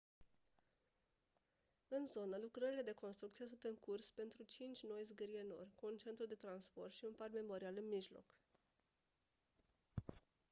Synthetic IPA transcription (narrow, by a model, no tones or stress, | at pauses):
ɨnzo̞nəlukɾəɾile̞d̪e̞ko̞nst̪ɾukt̪sijesunt̪ɨŋkurspe̞nt̪ɾut͡ʃint͡ʃʲno̞jzɡɨɾie̞no̞̰rʲkuːnt͡ʃe̞nt̪ɾud̪e̞t̪ɾanspo̞rt̪ʃiunparme̞mo̞ɾialɨnmiʒlo̞̰k